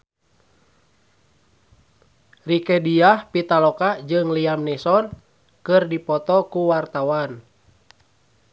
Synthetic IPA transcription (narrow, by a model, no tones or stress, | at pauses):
rikɛdiahpit̪alɔkad͡ʒɨŋliamnɛsɔn | kɨrdipɔt̪ɔkuwart̪awan